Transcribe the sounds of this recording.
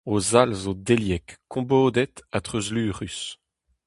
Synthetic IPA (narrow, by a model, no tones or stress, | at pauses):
ozalzod̪eljɛkːɔ̃boːd̪ɛt̪at̪χøzlyːʁys